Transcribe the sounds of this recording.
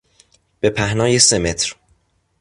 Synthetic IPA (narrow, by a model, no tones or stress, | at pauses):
b̥e̞pʰæhnɒːjeseme̞t̪ʰɾ